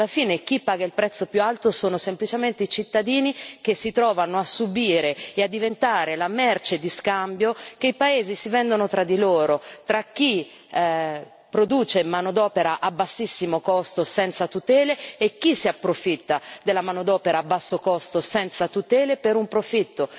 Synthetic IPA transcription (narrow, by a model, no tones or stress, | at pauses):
lafiːnek̟ipːaːɡailpɾɛt̪sːopjualt̪osoːnosemplit͡ʃement̪eit͡ʃit̪ːad̪iːnik̟esːit̪ɾɔːvanoasːubiːɾeead̪ːivent̪aːɾelamɛrt͡ʃed̪iskambjok̟eipaeːzisivɛnd̪onot̪ɾad̪ːiloːɾot̪ɾak̟ːi | pɾod̪uːt͡ʃemanod̪ɔːpeɾaʔabːasːisːimokɔst̪osɛnt̪sat̪ut̪ɛːleːk̟ːisiapːɾofit̪ːad̪elːamaːnod̪ɔːpeɾaːbːasːokɔst̪osɛnt̪sat̪ut̪ɛːlepeɾumpɾofit̪ːo